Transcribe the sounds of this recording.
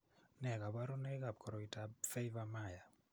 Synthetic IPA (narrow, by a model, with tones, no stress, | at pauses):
nɛ˨ɡa˨ba˦ɾɔ˦nɛ˦ɡa˨b̚kʰɔ˨ɾɔ˨i˨tafe˦ivamaja˨